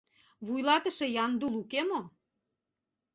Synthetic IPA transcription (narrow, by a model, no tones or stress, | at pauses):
βujlɑt̪ə̆ʃĕjɑnd̪ulukemo